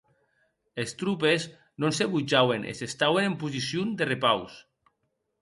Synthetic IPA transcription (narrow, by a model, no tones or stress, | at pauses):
est̪ɾup̬ez | nõnseβud͡ʒawenʔḛsest̪awenempuzisjund̪erepaws